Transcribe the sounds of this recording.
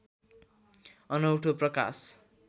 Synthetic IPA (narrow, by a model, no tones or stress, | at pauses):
ʌnʌwʈʰoprʌka̰s